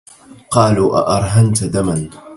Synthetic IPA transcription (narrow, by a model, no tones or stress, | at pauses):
qɑːluːʔa̰ʔɑɾˤɦant̪d̪aman